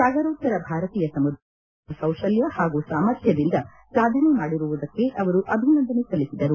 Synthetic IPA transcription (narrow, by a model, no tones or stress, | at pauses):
saːɡɐɾuːt̪ːɐɾɐbʱaːɾɐt̪iːjɐsɐmud̪ʱ | ɐsɐwʂɐljɐhaːɡusaːmɐɾt̪ʰjɐd̪ind̪ɐ | saːd̪ʱɐnemaːɽiɾuʋud̪ɐkːe̞ʔɐʋɐɾuʔɐbʱinɐnd̪ɐnesɐlisid̪ɐɾu